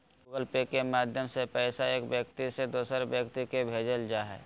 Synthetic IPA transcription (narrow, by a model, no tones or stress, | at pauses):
ɡəlpekemaːd̪ʱjəmsepɛːsaeːkbjək̚t̪ised̪oːsəɾbjəkt̪ikebʱeːd͡ʒəld͡ʒaːɦɛ̰ː